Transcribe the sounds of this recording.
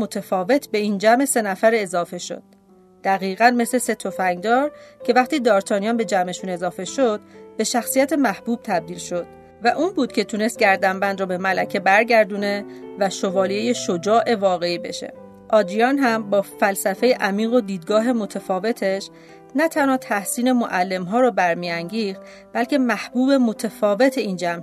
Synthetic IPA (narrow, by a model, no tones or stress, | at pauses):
mot̪ʰefɒːve̞t̪ʰbe̞iːnd͡ʒæme̞se̞næfæɾezɒːfe̞ʃo̰d̪̥̚ | d̪̥æɣiːɣænme̞slese̞t̪ʰo̞fæŋɡd̪ɒːɾcʰe̞væχt̪iːd̪ɒːɾt̪ʰɒːniɒnbe̞d͡ʒæmeʃune̞zɒːfe̞ʃod̪̥be̞ʃæxsijæt̪ʰe̞mæhb̥uːb̥̚t̪ʰæb̚d̪iːlʃo̞d̪̥̚ | væʔuːnbuːd̪̥cʰe̞t̪ʰune̞st̪̚ɟʲæɾd̪æmbænd̪ɾɔbe̞mælæcʰe̞bæɾɟæɾd̪uːne̞væʃo̞vɒːlieje̞ʃod͡ʒɒːʔe̞vɒːɣe̞iːbe̞̰ʃe̞̰ | ʔɒːd̪ɾijɒːnɦæmbɒːfælsæfe̞jeʔæmiːɣod̪iːd̪̚ɡɒːɦe̞mo̞t̪ʰæfɒːve̞t̪ʰeʃ | næt̪ʰænhɒːt̪ʰæhsiːne̞moʔælːe̞mɦɒːɾɔbæɾmiæŋɟiːxt̪ | b̥ælcʰe̞mæhb̥uːbe̞mo̞t̪ʰefɒːve̞t̪ʰe̞iːnd͡ʒæm